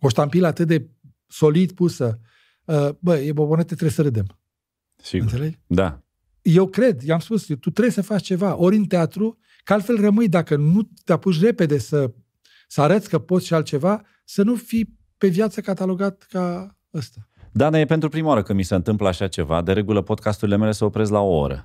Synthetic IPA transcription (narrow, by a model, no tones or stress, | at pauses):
o̞ʃt̪ampiləat̪ɨt̪̚d̪e̞ | so̞lid̪pusə | əbəjebobonet̪et̪ɾesəɾɨd̪em | siɡɨnt̪se̞le̞ɡd̪a̰ | je̞wkɾe̞d̪jamspust̪ut̪ɾe̞jsəfat͡ʃt͡ʃe̞vaʔo̞ɾʲɨnt̪eat̪ɾu | kaalt̪fe̞lrəmɨjd̪akənut̪eapuʃ̬re̞pe̞d̪e̞sə | səaɾət̪sʲkəpot̪sʃialt̪̚t͡ʃe̞va | sənufij | pe̞vjat̪səkat̪alo̞ɡat̪̚ka | əst̪ad̪anajepe̞nt̪ɾupɾimawaɾəkɨmisəɨnt̪ɨmpləaʃat͡ʃe̞va̰d̪eɾe̞ɡuləpo̞d̪̚kʰast̪uɾile̞me̞le̞səopɾe̞zlaoo̰ɾə̰